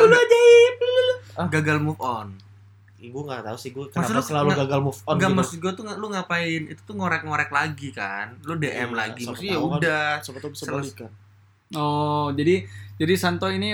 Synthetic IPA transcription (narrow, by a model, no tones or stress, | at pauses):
uluad͡ʒaip̚lulʊɡaɡalmufɔn | iɡuŋɡat̪ausɪhɡuakəmanalʊlalaɡaɡalmufɔnɡamas̚ɡuat̪uŋalʊŋapaɪnḭt̪u̥t̪ʊŋoɾɛk̚ŋoɾɛk̚laɡika̰nlʊdeʔɛmlaɡiasjaudasəpauislaikan | ɔd͡ʒadid͡ʒadisant̪ɔini